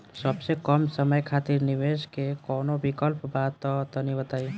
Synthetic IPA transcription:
səbsekəmsəməjkʰat̪iɾniʋeskekɔnobikəlpbad̪̚t̪ːɔt̪ɔnibət̪ai

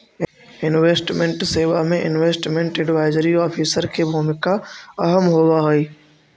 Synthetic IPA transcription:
ɪnʋeːsʈmẽɳʈseːʋamẽʔɪ̰nʋeːsʈmẽɳʈeɖɪʋaːɪzɾiɔːfʰiːsəɾkʰebʱumɪkaɐɦəmɦoːʋaɦoiː

